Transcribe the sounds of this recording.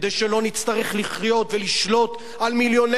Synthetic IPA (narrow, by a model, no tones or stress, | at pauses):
d̪ejʃelo̞nit͡st̪aʁeχliχjo̞t̪veliʃlo̞t̪ | almiljo̞ne